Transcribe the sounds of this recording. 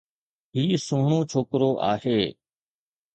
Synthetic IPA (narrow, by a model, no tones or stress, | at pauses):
ɦiːsũːɦɳõːt͡ʃʰoːkɾoːʔa̰ːheː